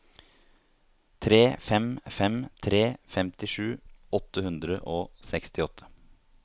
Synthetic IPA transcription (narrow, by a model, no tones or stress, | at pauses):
t̪ʰɾeːfɛmfɛmt̪ʰɾeːfɛmt̪ɪʂʉːɔt̪ːəhʉnd̪ɾə̰ʔoːsɛkst̪ɪɔt̪ʰːə̥